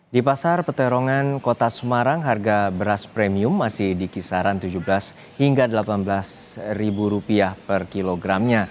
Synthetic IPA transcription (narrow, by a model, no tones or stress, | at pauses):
dipasarpət̪əɾoŋankot̪asəmaɾaŋɦarɡabəɾaspɾɛmiʊmːasɪhdikisaɾant̪ud͡ʒubəlas | hiŋɡadəlapanblas | ribuɾupiahpərkiloɡɾamɲa